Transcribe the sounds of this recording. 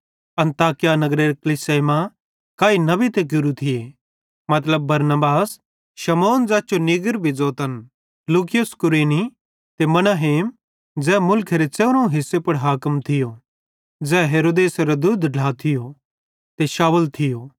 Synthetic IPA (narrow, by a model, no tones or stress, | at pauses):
ɐ̃nt̪aːkɪjanɐɡɾeɾekɐlɪseːma | kaːinɐbit̪ekʊɾut̪ʰɪje | mɐt̪ləbːɐɾnəbaːs | ʃɐmoːnd͡zaːt͡ʃonɪɡəɾbʱid͡zoːt̪ɐn | luːkɪjʊskʊɾeːni | t̪emɐnaɦeːm | d͡zɛːmʊlkʰeɾet͡ʃeːɾõɦɪsːepɐɽɦaːkəmt̪ʰɪjo | d͡zɛːɦeːɾoːd̪eːsɾod̪ʊd̪ʱɖʱaːt̪ʰɪjo | t̪eʃaːwəlt̪ʰɪjoː